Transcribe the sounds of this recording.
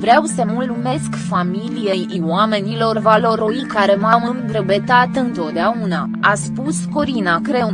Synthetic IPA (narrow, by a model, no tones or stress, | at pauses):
vɾeawsəmulume̞skfamilijej | wame̞nilo̞rvalo̞ɾoikaɾe̞mamɨmd̪ɾəbe̞t̪at̪ɨnt̪o̞t̪̚d̪eauna | aspusko̞ɾinakɾe̞